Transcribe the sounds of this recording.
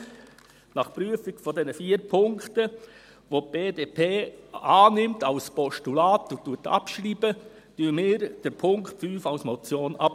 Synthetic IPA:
nɑχpɾyəfɪɡ̥fɔdɛnəfiːəɾpʰʊŋktə | ʋop̚b̥eːdeːpʰeːɑːnɪmtɑʊspɔʃtulɑːtutːuətɑ̰pʃɾiːb̥ə | tymɪːɾd̥əɾpʰʊŋkχtfyːfaʊsmɔt͡sjoːnɑp

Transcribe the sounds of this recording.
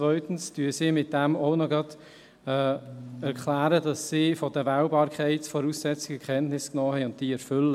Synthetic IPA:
t͡svœʏtn̩styːsiːmɪt̚d̥æmoʊnɔɡɾɑd | ɛːɛɾkʰlæːɾədɑsːiːfɔdəvæʊbɑːɾkχɛɪtsfɔɾuːsːɛt͡sɪɡ̥əkʰɛntnɪsknɔːhɛɪʊntd̥iːɛɾfʏlːə

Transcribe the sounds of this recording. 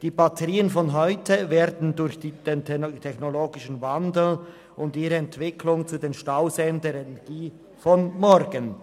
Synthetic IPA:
d̥iːbatʰəʁiːənfɔnɦɔʏtʰəveːɾdn̩dʊɾçd̥iːd̥eːntʰtʰɛçnoloːɡɪʃən̩vandl̩ | ʔʊndiːʁəɛntv̥ɪkʰlʊŋt͡sudeːnʃtaʊzɛndəɾɛnɛɡ̥iː | fɔnmɔɾɡən

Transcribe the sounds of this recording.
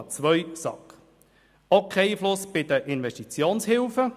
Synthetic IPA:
t͡sʋœʏjsɑ̰k | okʰɛiːflʊsb̥ɪd̥əʔɪnʋɛʃtit͡sjoːnshɪlfə

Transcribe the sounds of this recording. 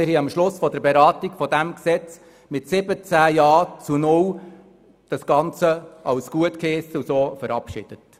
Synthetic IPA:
ɪɾhiɑmʃlʊsfɔd̥əɾbeɾɑːtɪkfɔd̥̪æmksɛt͡s | mɪtsɪbət͡sæːjɑːt͡sunʊw | d̥ɑsɡ̥ɑnt͡səɑwsɡ̥uətkestusoːfəɾɑpʃɪ̰d̥ət

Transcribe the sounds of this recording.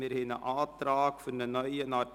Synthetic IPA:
iərɦɛnəʔɑːtrɑːkfərnənœjənɑː

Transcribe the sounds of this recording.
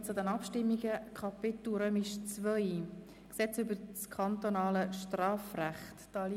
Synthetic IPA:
t͡sʊd̪ɛnɑpʃtɪmːiɡəkʰχɑpɪt̪uɾœmɪʃt͡svœʏ | ksɛt͡sʏbəɾt͡skʰɑnt̪onɑːləʃtrɑːfræχtːɑli

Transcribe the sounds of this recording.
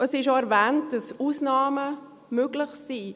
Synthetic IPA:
əsɪʃoɛɾvɛːnt̚d̥ɑsuːsnɑːmə | møɡlɪχsiː

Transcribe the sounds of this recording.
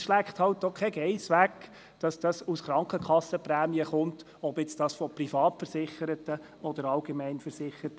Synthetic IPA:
ʃlækχt̪hɑlt̚dɔkʰɛɡ̥ɛɪsʋæk | d̥ɑsd̥ɑsusχɾɑŋkəkχɑsəpræːmiəχʊnt | ɔbɪt͡sd̥ɑːsfɔprifɑːtfəɾsɪχəɾətə | ɔd̪əɾɑlɡ̥emæɪnfəɾsɪχəɾt

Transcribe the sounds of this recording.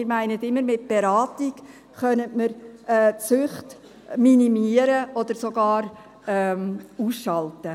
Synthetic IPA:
ɪɾmæɪnətɪmːəɾmɪt̚b̥eɾɑːtik | χœnətməɾɛːt͡sʉχt | minimiəɾəɔd̪əɾsoɡɑːɾ | ɛmuːsʃɑltə

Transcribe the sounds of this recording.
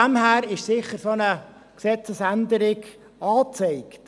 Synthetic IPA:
æmhæːɾɪʃsɪχəɾsonə | ksɛt͡səsænd̪əɾɪɡ | ɑːt͡sɛɪkt

